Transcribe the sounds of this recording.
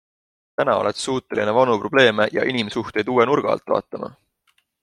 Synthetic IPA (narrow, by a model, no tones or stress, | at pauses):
t̪ænɑolet̪suːt̪ːˑe̞linevɑnupro̞b̥le̞ːmejɑ̰ʔinimsuht̪e̞jd̪uːwenurɡ̥ɑ̰ɑ̰lt̪ːˑvɑ̰ːt̪ːˑɑmɑ̰